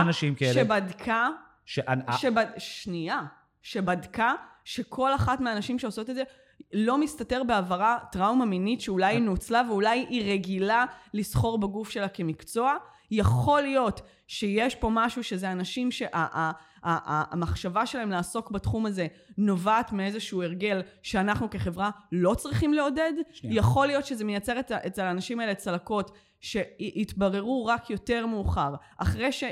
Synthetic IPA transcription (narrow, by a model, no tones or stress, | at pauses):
naʃimkaeebadkʰa | ʃeʔaʃebaʃnia | ʃe̞badkaʃekʰo̞laχatmeaːnaʃimʃe̞oso̞tedze̞ | lo̞mistate̞ʁbeavaʁatʁaumaminitʃeulajinut͡slaveulajʔiʁeɡilalisχo̞ʁbaɡufʃe̞lake̞mikt͡so̞a | jaχo̞lijo̞t | ʃejeʃpo̞maʃuʃe̞zeanaʃimʃe̞ʔaʔa | aʔamaχʃavaʃelaɦe̞mlaːso̞kbatχumaze̞no̞vaːtmiezeʃue̞ʁɡe̞lʃeanaχnukeχe̞vʁalo̞t͡sʁiχimleo̞de̞djaχo̞lijo̞tʃezemejat͡se̞ʁetaʔet͡selaːnaʃimaelet͡salako̞t | ʃe̞ʔitbaʁe̞ʁuʁakjo̞te̞ʁmeuχaʁ | a̰χʁejʃe